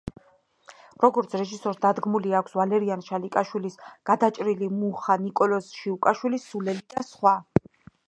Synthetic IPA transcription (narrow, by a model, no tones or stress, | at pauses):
ɾɔɡɔɾt̪sʰɾɛʒisɔɾsd̪ad̪ɡmuliakʷʰsvalɛɾianʃalikʼaʃwilisɡ̥ad̪at͡ʃʼɾilimuχanikʼɔlɔsʃiukʼaʃwilisːulɛlid̪̥asχwa